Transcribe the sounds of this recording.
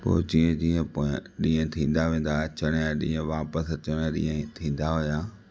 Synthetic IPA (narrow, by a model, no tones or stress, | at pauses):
po̰ːd͡ʑiːə̃d͡ʑiːə̃poːɪ̃ɗĩːə̃t̪ʰĩːn̆d̪aʋẽːn̆d̪at͡ɕɐɽ̃jɗḭ̃ːə̃ʋaːpəst͡ɕəɽ̃ɗḭ̃ːə̃t̪ʰĩːn̆d̪aɦʊjaː